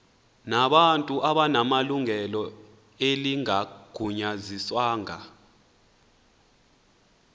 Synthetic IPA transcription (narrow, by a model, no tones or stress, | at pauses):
naɓantʼuʔaɓanamaluŋɛlɔ | eliŋaɡ̥ʱuɲaziswaːŋa